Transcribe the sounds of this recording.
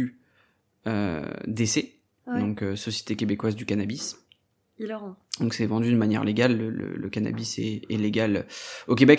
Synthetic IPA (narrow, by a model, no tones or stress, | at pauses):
y | ø̰d̪ese | d̪ɔ̃køsɔsje̥t̪ekʲebekwazd̪ykanabis | il̃d̪ɔ̃ksɛvɑ̃d̪yd̪əmanjɛ̰ʁleɡʲalːələ̰lə̰kana̰bisɛɛleɡʲaløokʲebɛk